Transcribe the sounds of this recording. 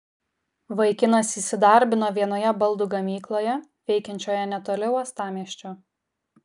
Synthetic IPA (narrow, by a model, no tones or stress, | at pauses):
ʋɐɪkʲɪnɐsiːsʲɪd̪ɑˑɾʲbʲɪnoːʋʲiɛnoːjɛbɐlˠd̪uːɡɐmʲiːklˠoːjɛ | ʋʲɛɪkʲɛnʲt͡ʃʲoːjɛnʲɛt̪oːlʲɛʊɐst̪ɑːmʲiɛʃʲt͡ʃʲoː